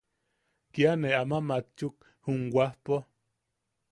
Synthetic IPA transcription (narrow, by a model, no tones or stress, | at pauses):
kjaneamamat͡ʃuk̚ | huŋwahpo